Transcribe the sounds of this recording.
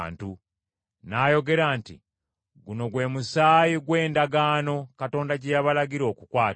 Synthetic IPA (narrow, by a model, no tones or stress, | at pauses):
ntu | naːjo̞ɡe̞ɾaːntḭ | ɡuno̞ɡwe̞musaːjiɡwe̞ːndaɡaːno̞kato̞ːndaɟejaβalaɡiɾo̞ːkukwaːt